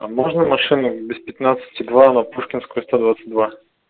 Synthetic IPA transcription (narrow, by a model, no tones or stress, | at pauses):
ɐmɔʒnɐmɐʃinəbɛspɛt̪nat̪sə̥t̪ʲid̪vanɐpuʃkʲinskʊist̪od̪vat̪sə̥d̪va